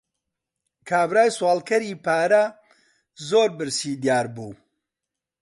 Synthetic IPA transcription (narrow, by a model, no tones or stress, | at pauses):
kʰaːbɾaːjswaːlkɐɾiːpaːɾɐ | zoːɾbɨɾsiːd̪jaːɾbuː